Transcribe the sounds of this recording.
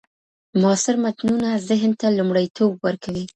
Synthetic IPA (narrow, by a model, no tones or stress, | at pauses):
mɑsɪɾmat̪nunazɪɦnt̪alumɽəjt̪ʰob̚wəɾkʰawi